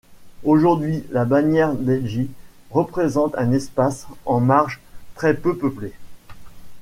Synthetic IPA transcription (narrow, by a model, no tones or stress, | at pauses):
oʒuʁd̪ɥilabanjɛʁd̪ɛlʒi | ʁəpχezɑ̃t̪ɛ̃nɛspasɑ̃maʁʒt̪χɛpøpəple